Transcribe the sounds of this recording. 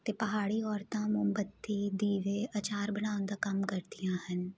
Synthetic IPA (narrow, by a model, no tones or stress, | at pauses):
t̪eːpəɦaːɽiːɔːɾt̪ãːmʊmbət̪ːiːd̪iːʋeːat͡ʃaːɾbənaːʊ̃nd̪aːkəmkəɾd̪ijãːhən